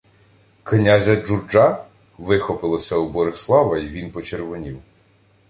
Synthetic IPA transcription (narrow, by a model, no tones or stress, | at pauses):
knʲazʲɐd͡ʒurd͡ʒɑ | ʋɪxɔpɪlˠɔsʲɐubɔɾɪslˠɑʋɐiʋʲinpɔt͡ʃeɾʋɔnʲiw